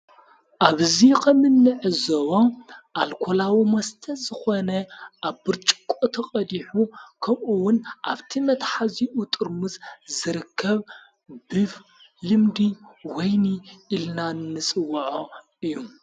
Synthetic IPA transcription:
ʔaβɨzikʰɐmɨnːɨʕɨzɐwoʔalkʰolawimɐst̪ʰɐzɨxonɐʔaβbɨɾt͡ʃʼɨ̥kʷʼot̪ʰɐqʼɐd̪iħukʰɐmʔuwʊnʔaβt̪ʰimɐt̪ħaziʔut̪ʼɨɾmɨszɨɾɨkʰːɐβ | bɨf | lɨmd̪iwɔjniʔilnanɨnːɨsʼɨwɐʕo | ɨjːu

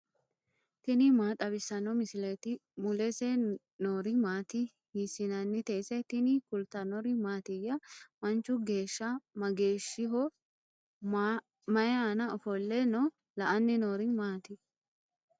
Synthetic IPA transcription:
t̪ɪnɪmaːt̪ʼɐbɪsːɐnɔmɪsɪlɛt̪ɪmʊlɛsɛ | noːɾɪmaːt̪ɪ | hɪsɪnɐnːɪt̪eːsɛt̪ɪnɪkʊlt̪ɐnɔɾɪmaːt̪ɪjːɐmɐnt͡ʃːʊɡe̞ːʃːɐmɐɡe̞ːʃːɪɦɔ | mɐjaːnɐɔfɔlːɛnɔ | lɐʔɐnːɪnoːɾɪmaːt̪ɪ

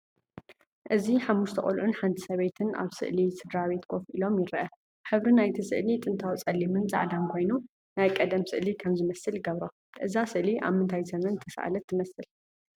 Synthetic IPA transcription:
ʔɨziħamːuʃt̪ʰɐχʼolʕunħant̪ʰɨsɐβejt̪ʰɨnʔa̰βsɨ̰ʔlisɨd̪ɾaβe̞t̪kʰo̞fʔilo̞mjɪɾɨʔɐ | ħɨβɾinajt̪ʰisɨ̰ʔlit̪ʼɨnt̪ʰawt͡sʼɐlimɨnza̰ʕd̪ankʰo̞jnu | najkʼɐd̪ɐmsɨ̰ʔlikʰɐmzɨmɐsɨlɡɐβɾo | ʔɨzasɨʔliʔa̰βmɨnt̪ʰajzɐmɐnt̪ʰɐsa̰ʔa̰lɐt̪ʰːɨmɐsɨl

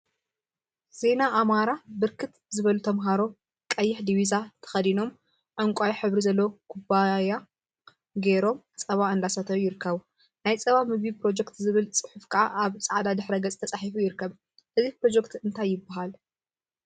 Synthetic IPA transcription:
z̥e̞naʔːmaɾabɨɾkʰɨt̪zɨβɐlut̪ʰɐmɦaɾo̞ | kʼɐjːɪħd̪iβizat̪ʰɐ̥xɐd̪ino̞m | ʕɨŋkʷʼajħɨβɾizɐlːokʰubaja | ɡeɾo̞m | t͡sʼɐβaɨnd̪asɐt̪ʰɐjujɪɾɨkːɐβ | najt͡sʼɐβamɨɡipɾo̞d͡ʒɛkt̪zɨβɨlt͡sʼɨ̥ħufkʰɐʔaʔaβt͡sʼaʕd̪ad̪ɨħɾɐɡɐt͡sʼt̪ʰɐt͡sʼaħifujɪɾɨkʰːɐβ | ʔɨzipɾo̞d͡ʒekt̪ɨnt̪ʰajːɪbːaɦal

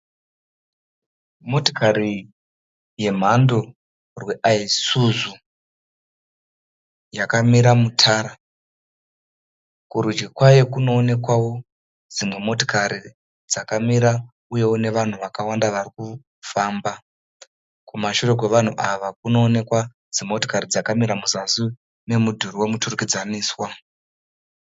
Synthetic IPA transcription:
mo̞to̥kari | je̞m̤ando̞ | rwe̞ʔaisuzu | jakamiɾamutʰaːɾa | kuɾud͡ʒɡikwajekuno̞ːne̞kwawo̞ | d͡zimwe̞mo̞to̥kaɾi | d͡zakamiɾa | uje̞wune̞ʋan̤uʋakawandaʋariku | faːmba | kumaʃure̞k̬we̞ʋan̤uʔaʋakuno̞ːne̞kwa | d͡zimo̞tokaɾid͡zakamiɾamuzasu | ne̞mudʱuriwe̞muturukid͡zaniːswa

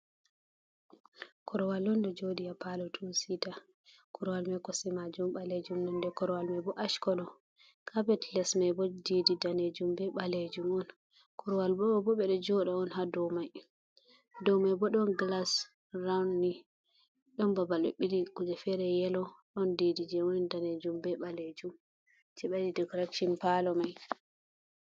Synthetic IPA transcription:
kʰɔɾɔwalːɔndɛd͡ʒoɗijapalɔtʰusita | kʰɔɾɔwalmɛkɔsɛmad͡ʒumɓaled͡ʒumnɔndɛkɔɾɔwalmajbɔʔaʃkɔɗɔ | kʰabɛtlɛsmajbɔdididaned͡ʒumbɛɓaled͡ʒumɔn | kʰɔɾɔwalbɔbɔɓɛɗɔd͡ʒɔɗɔɔnɦadɔmaj | dɔmajbɔɗɔnɡlas | rawnːi | ɗɔnbabalɔ̰ɓiliɡud͡ʒɛfɛɾɛjɛlɔɗɔndidid͡ʒɛwɔnidaned͡ʒumbɛɓaled͡ʒum | t͡ʃɛɓadidɛkɔɾɛkʃɔnpalɔmaj

